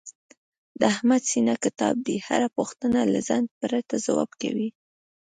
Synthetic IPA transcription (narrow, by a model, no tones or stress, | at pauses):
d̪əahmad̪sinakɪt̪ɑ̰b̚d̪iha̰ɾapuxt̪ənalazanɡ̪̚pəɾat̪azawɑ̰bka̰wi